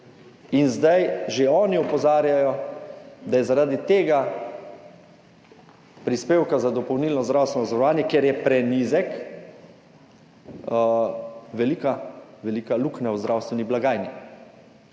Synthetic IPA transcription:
inzd̪ajʒeɔːniɔpɔzaːɾjajɔ | d̪ajɛzaɾaːd̪it̪eːɡa | pɾispeːwkazad̪ɔpɔwniːlnɔzd̪ɾawst̪ʋɛnɔzaɾɔʋaːnjɛkɛɾjɛpɾɛnizɛk | ʋɛlikaʋɛlikaluknawzd̪ɾawst̪ʋɛniblaɡaːjni

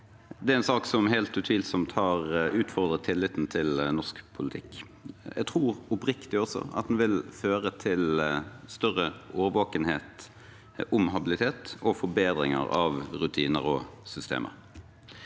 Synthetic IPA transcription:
d̪ɛæɾɛnsɑːksɔmhæɪlt̪ʉt̪ʰʋiːlsɔmt̪hɑʁʉːt̪fɔʁd̪ɾʁət̪ʰːɪlːɪt̪n̩t̪ʰɪlnɔskpʰʊlɪt̪ʰɪkː | jʔæ̰t̪ʰɾuːʁɔpɾɪkt̪ɪɔsɔ̰ɑ̰t̪̚d̪nʋɪlføːɾət̪ʰɪlst̪œʁəʔoːʋəʋoːkənheːt̪ | ʔʊmɦɑbɪlɪt̪ʰeːt̪ɔfɔɾbeːd̪ɾɪ̰ŋə̰ɾɑ̰ʋɾʉt̪ʰiːnə̰ɾɔ̰sʏst̪ḛːmʔə̰ɾ

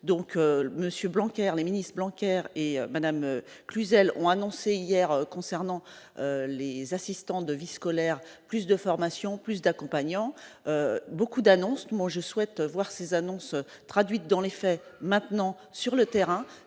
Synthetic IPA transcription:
d̪ɔ̃køməsjøblɑ̃kʲɛʁleminist̪χblɑ̃kʲɛʁeømad̪amø | klyzɛlɔ̰̃anɔ̃seijɛʁøkɔ̃sɛʁnɑ̃ølezasist̪ɑ̃d̪əviskɔlɛʁplys̬d̪əfɔʁmasjɔ̃plys̬d̪akɔ̃paɲɑ̃øbokud̪anɔ̃smɔ̃ʒəswɛt̪øvwaʁsezanɔ̃sø | t̪χad̪ɥit̪̚d̪ɑ̃lefɛmɛ̃t̪nɑ̃ | syʁlət̪ɛʁɛ̃

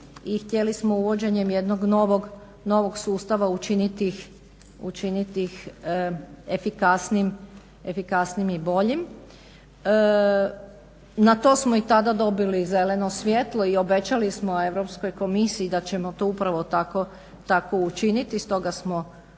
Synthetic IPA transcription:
ixt̪je̞lismouʋo̞d͡ʑe̞ɲe̞mje̞d̪noɡnoʋoɡ | no̞ʋo̞ɡsuːst̪aʋaut͡ʃinit̪ix | ut͡ʃinit̪ix | e̞fikasnim | e̞fikasnimibo̞ʎim | nat̪o̞ːsmoit̪ad̪ad̪o̞bilize̞le̞no̞sʋje̞t̪lˠo̞io̞be̞t͡ɕalismoe̞ʋɾo̞psko̞jko̞misiːd̪at͡ɕe̞mot̪o̞upɾaʋot̪ako | t̪ako̞ut͡ʃinit̪ist̪o̞ɡasmo

